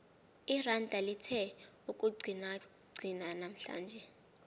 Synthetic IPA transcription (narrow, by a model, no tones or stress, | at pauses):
irandʱalitʰɛ | ukʼuɡ͡ǀʱina | ɡ͡ǀʱinanam̩ɬa̰ːnd͡ʒʱɛ